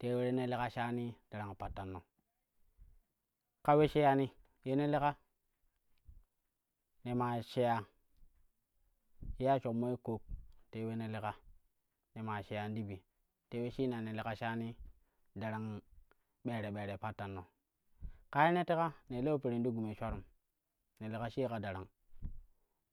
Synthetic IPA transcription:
te˨˦we˦ɾe˦ne˦le˦ka˦ʃa˦ni˦d̥a˨ɾa˨ŋ˨pa˨tːa˨nːo˨ | ka˦we˦ʃe˦ja˦ni˦ | je˦ne˦le˦ka˦ | ne˨ma˨ʃe˦ja˨ | ʃe˦ja˦t͡ʃo˨kmo˦i˦ko˨k̚te˦we˦ne˦le˦ka˦ | ne˨ma˨ʃe˨ja˨ndi˦bi˨ | te˦we˦ʃi˦na˨ne˨le˨ka˦ʃa˦ni˦ | da˨ɾa˨ŋ | ɓeː˨ɾe˨ɓe˨ɾe˨pa˦tːa˨nːo˨ | ka˦je˦ne˦te˦ka˦ne˨le˦o˦pe˨ɾi˨n˦di˦ɡu˨me˨t͡ʃʷa˦ɾu˨m | ne˨le˨ka˦ʃi˦ka˨da˨ɾa˨ŋ

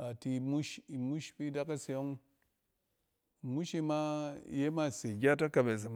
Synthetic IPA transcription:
a˨ti˨mu˦ʃi˨mu˦ʃpi˦da˦ka˦se˨jo˦ŋ | i˨mu˦ʃi˧ma˦je˦ma˦˨se˨ɡʲa˦ta˦ka˨be˨s̬i˨m

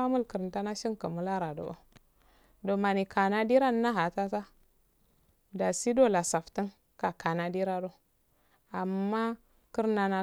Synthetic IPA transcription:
a˦mu˦lkə˨ɾn˨ta˦na˦ʃi˦ŋka˨mu˦la˦ɾa˨do̰˨ʔo˦ | do˨ma˨ni˨ka˨na˦di˦ɾa˦nː˦a˦ɦa˨ta˦ta˦ | da˨si˦do˦˨la˨sa˨fti˦n | ka˨ka˨na˨di˦ɾa˦do˦ | a˨mːa˦ | ki˦ɾna˨na˦

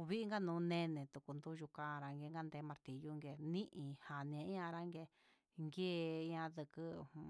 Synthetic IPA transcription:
βi˦ʔi˦ŋɡa˦nũː˨˦˧nẽ˦nẽ˨t̪u˨ku˨nd̪u˦˧ʒu˧kã˧ɾa˧ŋɡe˧˦ŋɡa˦nd̪e˧˦mã˧ɾt̪i˨ju˦ŋɡe˧nĩ˦ʔĩ˧˨ha˨nĩ˧ã˧i˦ã˧ɾa˦ŋɡe˧ | ŋɡe˦˧˦ã˧ðɨ˧kɨ̃˦˧

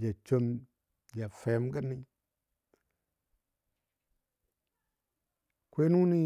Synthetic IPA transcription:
d͡ʒa˨t͡ʃo˧m | d͡ʒa˨fe˨˦mɡa˦ni˦ | kʷe˦nu˦ni˦

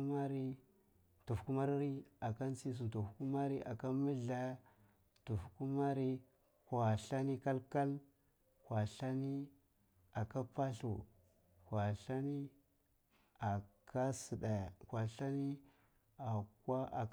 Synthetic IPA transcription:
ma˦ɾi˦ | tu˨fku˦ma˦ɾɾi˦a˨ka˦nt͡si˦s̬u˨tu˨fku˦ma˦ɾi˦ʔa̰˨ka˦mi˦ɮa˦ | tu˨fku˦ma˦ɾi˦ | kwa˨ɬa˦ni˦ka˦lka˦l | kwa˨ɬa˦ni˦ | a˨ka˦pa˦ɬṵ˨ | kwa˨ɬa˦ni˦ | a˨kʰa˦si˨da˨jkʷa˨ɬa˦ni˦ | a˨kwa˦a˨

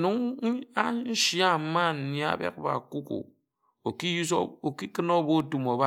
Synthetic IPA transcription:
nu˨˦ŋ˦a˦n̩˦ʃa˦˨ma˦˨n̩˨ni˦a̰˦bḛ˦k̚ba̰˨ku˦kṵ˨ | o˨ki˦so˨ki˦kɨ˦no˦bo˦tu˨mo˨ba˦

